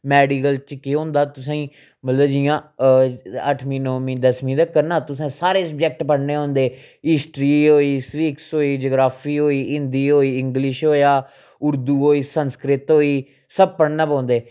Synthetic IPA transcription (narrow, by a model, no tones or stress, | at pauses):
mɛːɖiːkəlt͡ʃkɪɦõːnd̪aːt̪ʊsãːĩː | mət̪ləbd͡ʒiːãː | əʈʰmĩːnõːmĩːd̪əsmĩːd̪aːkəɾnaːt̪ʊsẽːsaːɾeːsəbd͡ʒɛk̚ʈpəɽneːɦõːnd̪eː | ɪsʈɾiːɦoːiːsʋiːksɦoːiːd͡ʒoːɡɾaːpʰiːɦoːiːɪnd̪iːɦoːiːɪŋɡlɪʃɦoːjaː | ʊɾd̪uːɦoːiːsənskɾɪt̪ɦoːiː | səb̚pəɽnãːpãːnd̪eː